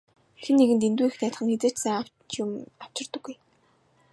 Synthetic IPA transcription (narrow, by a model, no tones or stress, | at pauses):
xenːeɣɘ̆nt̪ent̪uːixnæːt̪χə̆ŋxet͡seːt͡ɕsæːŋa | t͡ɕʊmaw̥t͡ɕɪ̆rt̪ə̆ɡːuj